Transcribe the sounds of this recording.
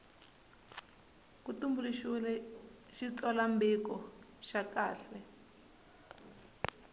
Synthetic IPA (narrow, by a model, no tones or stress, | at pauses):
kutumbuliʃulɛ | ʃit͡sɔlambikɔ | ʃakaːɬɛ